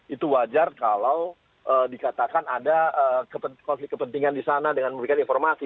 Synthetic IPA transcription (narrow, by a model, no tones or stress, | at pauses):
it̪uwad͡ʒarkalaw | ʔəːdikat̪akanadaəkəpəkɔnflɪkːəpənt̪iŋandisanadəŋanməmbɾikaninfɔrmasi